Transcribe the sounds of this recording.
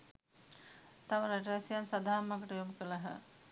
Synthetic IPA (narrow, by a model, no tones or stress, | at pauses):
t̪aʋəɾaʈ̬asijansad̪ʱaːmːakəʈəjoməkəlaɦə̰